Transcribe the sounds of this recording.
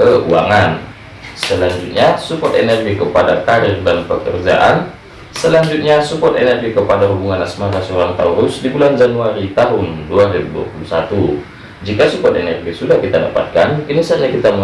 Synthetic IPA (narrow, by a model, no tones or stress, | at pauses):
əuaŋan | səlaɲd͡ʒut̪̚ɲasupɔt̪enɛrɡikəpadakaɾɪrdanpəkərd͡ʒa̰ʔan | səlaɲd͡ʒut̪̚ɲasupɔt̪enɛrɡikəpadaɦubuŋanasmaɾasəoɾaŋt̪a̰uɾʊsdibuland͡ʒanuaɾit̪aɦunduaɾiabudua̰pulusat̪u | d͡ʒikasupɔt̪enɛrɡisudahkit̪ada̰pa̰t̪̚kankinisaɲakit̪amə